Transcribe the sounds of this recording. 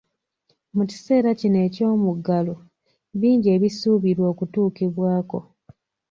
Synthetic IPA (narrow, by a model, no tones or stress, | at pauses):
muci̥se̞ːɾacine̞ːco̞ːmuɡalo | βiːɲɟe̞ːβisuːβiɾwo̞ːkutuːkiβwaːko̞